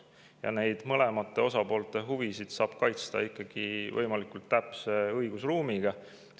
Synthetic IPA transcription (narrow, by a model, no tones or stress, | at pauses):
jɑ̰ne̞jd̪̥mɤlemɑt̪ːˑe̞o̞sɑpo̞ːlt̪ˑe̞ɦuvisid̪̥sɑːb̥kɑjt̪st̪ɑ̰ikˑːɑɡ̥ivɤjmɑlikult̪ːæpseɤjɡ̥usruːmiɡ̥ɑ